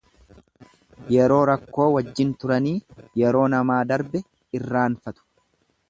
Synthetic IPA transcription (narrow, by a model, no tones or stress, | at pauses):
jɛɾo̞ːɾɐkːo̞ːwɐd͡ʒːɪnt̪ʊɾɐniːjɛɾo̞ːnɐmaːd̪ɐɾbɛ | ɪrːaːnfɐt̪ʊ̥